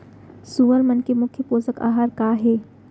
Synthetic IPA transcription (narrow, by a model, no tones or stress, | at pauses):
suʋəɾmənkemʊkʰjəpoːsəka̰ːɦaːɾkaːɦeː